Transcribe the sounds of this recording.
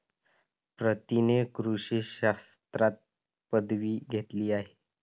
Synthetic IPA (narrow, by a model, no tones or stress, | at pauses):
pɾət̪inekɾuʂiːɕast̪ɾat̪̚ | pəd̪ʋiːɡʱet̪liːaɦe